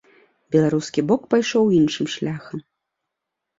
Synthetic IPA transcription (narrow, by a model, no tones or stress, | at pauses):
bʲɛlˠaɾuskʲibɔkpajʂɔwinʂɨmʂlʲaxɐm